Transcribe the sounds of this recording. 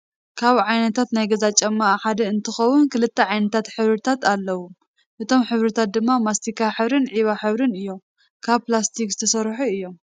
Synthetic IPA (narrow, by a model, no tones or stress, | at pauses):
kʰaβʕajnɐt̪ʰat̪najɡɐzat͡ʃʼɐmːaʔħad̪ɐɨnt̪ʰɨxɐwunkɨlɨt̪ʰːɐʕajnɐt̪ʰat̪ħɨβɾɨt̪ʰat̪ʰalːɐwu | ʔɨt̪ʰo̞mħɨβɾɨt̪ʰat̪̚d̪ɨmːamast̪ʰikʰaħɨβɾɨnʕiβaħɨβɾɨnɨjːo̞m | kʰaβplast̪ʰikzɨt̪ʰɐsɐɾħuɨjːo̞m